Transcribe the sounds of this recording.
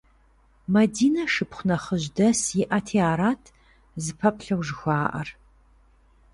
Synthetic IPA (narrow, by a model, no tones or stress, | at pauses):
mɐdiːnɐʃɨpχʷʊnɐχəʑdɐsjɪʔɐtʰiaːɾaːtʰ | zɨpʰɐpɬɐwʷʒɪxʷaːʔɐ̰r